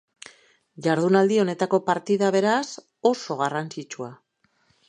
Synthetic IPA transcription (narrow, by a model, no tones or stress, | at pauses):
ʝaɾðunald̪io̞ne̞t̪ako̞paɾt̪iðaβ̞e̞ɾas | o̞so̞ɣ̞arant͡sit͡ʃua